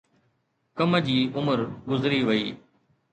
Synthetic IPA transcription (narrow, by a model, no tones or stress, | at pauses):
kəməd͡ʑiːʊməɾɡʊzɾiʋəiː